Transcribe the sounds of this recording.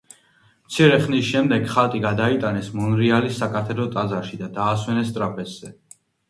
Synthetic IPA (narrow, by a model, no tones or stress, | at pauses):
mt̪sʰiɾɛχnisʃɛmd̪ɛɡχalt̪ʼiɡad̪ait̪ʼanɛsmɔnɾialisːakʼat̪ʰɛɾɔt̪ʼazaɾʃid̪ad̪aːswɛnɛst̪ʼɾapʰʼɛsz̥ɛ